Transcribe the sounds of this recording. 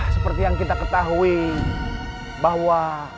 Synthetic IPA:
səpərt̪ijaŋkit̪akət̪aɦui | baɦwa

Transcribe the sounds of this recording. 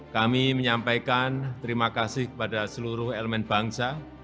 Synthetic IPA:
kamiməɲampajkant̪əɾimakasɪhkə̥padasəluɾʊɦeləmɛnb̥a̤ŋsa

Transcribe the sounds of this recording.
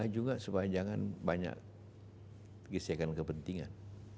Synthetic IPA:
ad͡ʒuɡaʔsupajad͡ʒaŋanbaɲa̰k | ɡəsekankəpənt̪iŋa̰n

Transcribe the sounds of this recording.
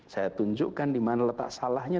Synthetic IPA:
sajat̪uɲd͡ʒʊʔkandimanalət̪a̰ʔsalahɲa

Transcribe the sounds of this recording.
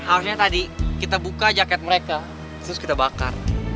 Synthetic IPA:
haɾus̬ɲat̪adikit̪abukad͡ʒakɛt̪̚məɾeka | t̪əɾʊskit̪abaka̰r

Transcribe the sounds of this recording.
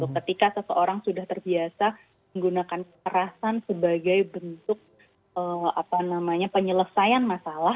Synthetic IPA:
t̪ʊkːət̪ikasəsəʔoɾaŋsudaht̪ərbiasa | məŋɡunakankəkəɾasansəbaɡajbənt̪ʊk̚ | əa̰panamaɲapəɲələsajanmasala

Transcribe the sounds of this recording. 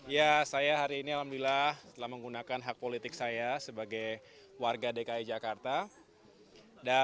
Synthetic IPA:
jasajaɦaɾiːnialamdilaht̪əlahməŋɡunakanɦak̚polit̪ɪksajasəbaɡaj | warɡadekaid͡ʒakart̪a | da

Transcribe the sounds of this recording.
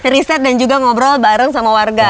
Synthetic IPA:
risɛt̪̚dand͡ʒuɡaŋɔbɾalbaɾəŋs̬amawarɡa

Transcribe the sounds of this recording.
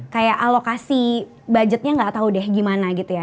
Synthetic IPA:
kajaʔalokasi | bad͡ʒət̪̚ɲaŋɡaʔt̪audɛhɡimanaɡit̪uja

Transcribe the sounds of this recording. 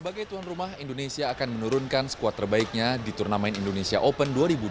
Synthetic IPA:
sbaɡajt̪uɦanrumaɦindonesiaːkanmənuɾunkansə̥kuat̪ərbaɪk̚ɲadit̪urnamɛnindonesiaʔopənduaɾibu

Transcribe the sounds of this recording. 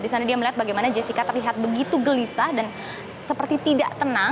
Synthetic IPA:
disanadiaməliɦat̪̚baɡajmanad͡ʒesikat̪ərliɦat̪̚bəɡit̪uɡəlisadan | səpərt̪it̪idaʔt̪əna

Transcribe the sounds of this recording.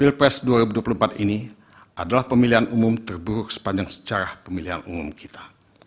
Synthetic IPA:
pilpɾɛsduaɾibuduapuluhəmpat̪ini | adalahpəmiliɦanumʊmt̪ərbuɾʊk̚sə̥paɲd͡ʒaŋsə̥t͡ʃaɾahpəmiliɦa̰numumki̥t̪ḁ

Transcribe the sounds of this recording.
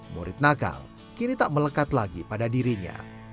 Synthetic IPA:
mṵɾɪt̪̚naɡa̰l | kinit̪aʔmələkat̪laɡipadadiɾiɲa̰

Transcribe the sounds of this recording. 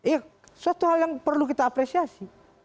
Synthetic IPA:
ia | suat̪uɦaljaŋpərlukit̪aːpɾesiasi

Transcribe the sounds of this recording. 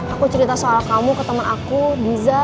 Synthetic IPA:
akut͡ʃəɾit̪asoalakamukət̪əmənakubiza

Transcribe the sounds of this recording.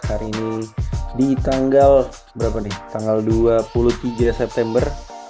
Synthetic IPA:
haɾiːnidit̪aŋɡal | bəɾapanit̪aŋɡalduapulut̪iɡasɛp̚t̪ɛmbər

